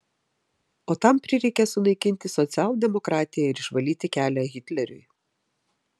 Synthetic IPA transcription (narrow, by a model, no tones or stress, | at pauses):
oːt̪ɑmpʲɾʲɪɾʲɛɪkʲɛsʊlˠɐɪkʲɪnʲt̪ʲɪsɔt̪sʲɪæːlˠʊd̪ʲɛmɔkɾɑːt̪ʲɪjɛɪɾɪʃʋɐlʲiːt̪ʲɪkʲæːlʲæɣʲɪt̪ʲlʲɛɾʲʊ̰j